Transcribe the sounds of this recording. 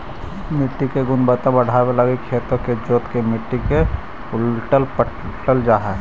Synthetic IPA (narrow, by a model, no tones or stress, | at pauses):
mɪʈːikeɡʊnbət̪ãbəɽ̤ʱabeləɡekʰeːt̪ɾõked͡ʒoːt̪kemɪʈːike | ʊlʈəlpə | ʈəld͡ʒaːɦɛ